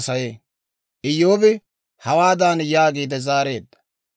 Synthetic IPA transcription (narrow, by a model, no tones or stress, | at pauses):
sɐjeː | ʔɪjːoːbɪ | hɐwaːd̪aːnjaːɡiːd̪ɛzaːɾe̞ːd̪ːɐ̥